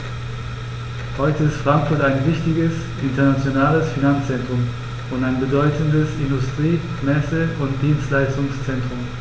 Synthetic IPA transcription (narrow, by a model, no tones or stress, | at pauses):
hɔʏtəɪstfʁ̥aŋkfʊɐtaɪnvɪçtɪɡəs | ʔɪntɐnat͡sjonaːləsfinant͡st͡sɛntʁ̥ʊm | ʊntaɪnbədɔʏtən̩dəsɪndʊstʁ̥iː | mɛsəʊntd̥iːnstlaɪstʊŋst͡sɛntʁ̥ʊm